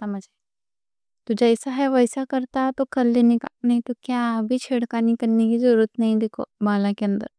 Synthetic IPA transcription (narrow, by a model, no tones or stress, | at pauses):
t̪amɐd͡ʒai | t̪ʊd͡ʒɐɪsaɦɛʋɐjsakɐɾt̪at̪okɐlːenikanɐɦĩt̪okjãbʱit͡ʃʰeɽkaːnikɐɾnekizɐɾuɾət̪nɐɦĩd̪ekʰo̰baːlãkeɐ̃nd̪ə̰ɾ